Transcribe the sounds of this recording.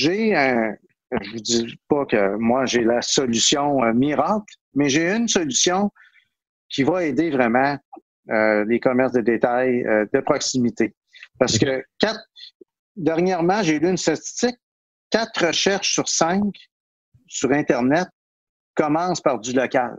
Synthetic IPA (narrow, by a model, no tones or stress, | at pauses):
ʒeə̃ | ʒəvud͡ziɛpʌkʲəmwaʒelasɔlysjɔ̃miʁaːkl | mɛʒeɨnsɔlysjɔ̃ | kʲivaeːd̪evʁɛmɑ̃ | ølekʌmɛʁsd̪əd̪et̪ajə̰d̪əpχɔksimit̪e | paʁsə̥kəkʲat̪ | d̪ɛʁɲjɛʁmɑ̃ʒelyːnst̪at͡s̪i̥st͡sɪkʲː | at̪ʁəʃɛʁʃsyʁsɛ̃k | syʁɛ̃t̪ɛʁnɛt̪̚ | kɔmɑ̃spaʁzylɔkʲal